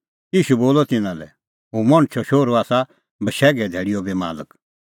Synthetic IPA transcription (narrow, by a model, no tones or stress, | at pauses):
iːʃuboːlɔt̪ɪnãlɛ̰ | ɦũmɔ̃ɽ̃t͡ʃʰɔʃoːɾoaːsa | bəʃɛːɡɛd̪ʱeːɽɪjɔbema̰ːlək